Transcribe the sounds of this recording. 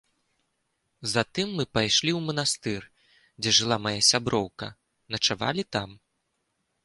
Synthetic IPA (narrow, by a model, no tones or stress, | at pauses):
zat̪ɨmːɨpajʂlʲiwmɐnast̪ɨr | d͡zʲɛʐɨlˠamajasʲabɾɔwkɐ̰ | nɐt͡ʂava̰lʲit̪am